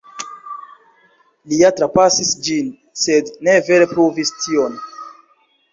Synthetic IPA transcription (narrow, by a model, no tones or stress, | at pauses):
liatɾapasisd͡ʒin | se̞dne̞ve̞ɾepɾuvistʰio̞n